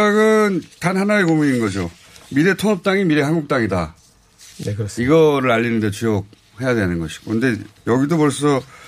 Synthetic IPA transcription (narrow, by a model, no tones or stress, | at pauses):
aɡɯntanhanaekomuinɯnɡʌd͡ʑo | miɾe̞tʰonʌp̚t͈aŋimiɾe̞ɦanɡuk̚t͈aŋida̰ | iɡʌɾɯɾaʎːinɯndet͡ɕujok̚ | he̞jadwenɯnɡʌɕʰi̥ɡokʰɯnde̞jʌɡidopoɭs̬͈ʌ